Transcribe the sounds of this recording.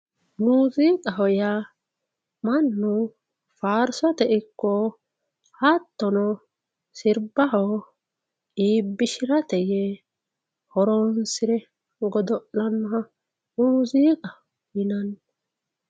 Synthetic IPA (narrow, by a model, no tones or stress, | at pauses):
muːzikʼɐɦɔja | mɐnːʊ | faːɾsɔt̪ɛɪkːɔ | hɐt̪ːɔnɔ | sɪɾbɐɦɔ | iːbːɪʃɪɾɐt̪ɛjɛ | hɔɾɔnsɪɾɛ | ɡɔd̪ɔʔlɐnːɔɦɐ | muːziːkʼɐ | jɪnɐn